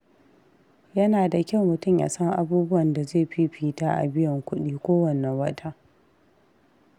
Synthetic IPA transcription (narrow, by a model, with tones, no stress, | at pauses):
jɐ˦naː˨da˨kʲɐ˦˨wmʊ˨tʊ˦mja̰ː˨sɐ˦ŋʔa˨buː˦bʊ˦wɐ˨nda˨zeː˦˨ɸi˦ɸiː˦taː˦ʔa̰˨bɪ˦jɐ˨ŋkʷʊ˦ɗiː˦kʷoː˦wɐ˨nːɐ˨ŋwɐ˦tʰaː˦